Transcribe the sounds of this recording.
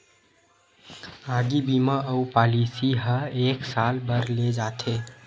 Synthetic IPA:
aːɡibimaʔəupaːlisiɦəeːksaːlbəɾled͡ʒaːt̪ʰe

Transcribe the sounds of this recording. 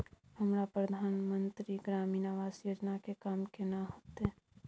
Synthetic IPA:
həmɾapɾəd̪ʱaːnmənt̪ɾiɡɾaːminaʋaːsjoːd͡ʒnakekaːmkenaɦoːt̪e

